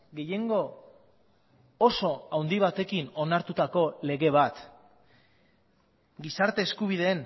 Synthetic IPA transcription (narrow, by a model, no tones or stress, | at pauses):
ɡe̞je̞ŋɡo̞ | so̞awnd̪iβ̞at̪e̞kino̞naɾt̪ut̪ako̞le̞ɣe̞β̞at̪ | ɡisaɾt̪e̞ːskuβiðe̞ːn